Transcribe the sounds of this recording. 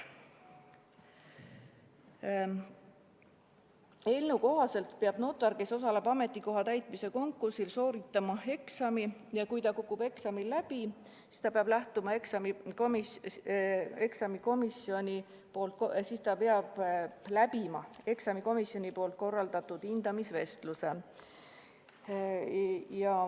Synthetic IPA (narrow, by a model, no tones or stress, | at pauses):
e̞lnuko̞ɦɑse̞lt̪peɑb̥no̞ːt̪ːˑɑɾke̞so̞sɑle̞bɑme̞t̪ːˑiko̞ɦɑt̪æjt̪ˑmise̞ko̞ŋkːˑursilso̞ːɾit̪ːˑɑmɑe̞ksɑmijɑkujt̪ɑkukːˑub̥e̞ksɑmilːæb̥i | si̥st̪ɑpeɑb̥læht̪umɑeksɑmiomi | eksɑmiko̞misjo̞nʲi | po̞ːlt̪̚ksist̪ɑpeɑb̥læbimɑe̞ksɑmiko̞misjo̞nʲipo̞ːlt̪̚ko̞rːɑld̪̥ɑt̪ːud̪̥ind̪̥ɑmisve̞st̪luse̞ | jɑ